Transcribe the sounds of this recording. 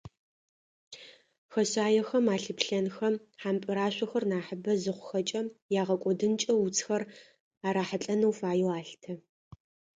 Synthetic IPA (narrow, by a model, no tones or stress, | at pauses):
xɐɕaːjɛxɐmaːɬɨpɬɐnxɐmħampʼɨɾaːɕʷʼɐxɐrnaːħəbɐzɨχʷʊxɐt͡ʃʼɐjaːʁɐkʷʼɔdɨnt͡ʃʼɐwut͡sʰʼxɐr | aːɾaːħaɬʼɐnɐwfaːjɛwaːɬtʰɐ